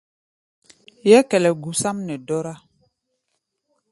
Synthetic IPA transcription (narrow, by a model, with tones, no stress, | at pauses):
jɛ˦kɛ˨lɛ˨ɡu˨sa˦mnɛ˨dɔ˦ɾa˦